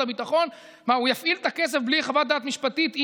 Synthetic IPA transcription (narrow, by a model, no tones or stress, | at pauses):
abit̪aχo̞n | maujafʔilt̪akes̬efblieχavat̪̚d̪aːt̪miʃpat̪it̪i